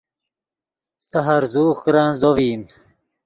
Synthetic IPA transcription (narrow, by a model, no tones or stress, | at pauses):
saɦaɾzuːχkɾanzoviːn